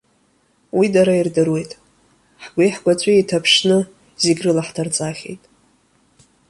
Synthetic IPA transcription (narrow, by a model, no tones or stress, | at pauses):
widaɾairdɨrwe̞jtʼ | ħɡʷijħɡʷat͡sʷʼaitʰapʰʂnɨ | zeɡʲrɨlaħtʰart͡sʼaχʲe̞̰jtʼ